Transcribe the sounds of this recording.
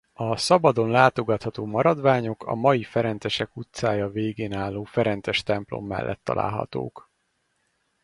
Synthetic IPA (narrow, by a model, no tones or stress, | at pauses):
ɒsɒbɒd̪o̞nlaːt̪o̞ɡɒt̪hɒt̪oːmɒɾɒd̪ʋaːɲo̞kʰɒ̰mɒjifɛɾɛnt̪ɛʃɛkut̪saːjɒveːɡeːnaːlːoːfɛɾɛnt̪sɛʃt̪ɛmplo̰mːɛ̰lːʔɛ̰t̪ːɒ̰lʔa̰ːlɦɒ̰t̪o̰ːk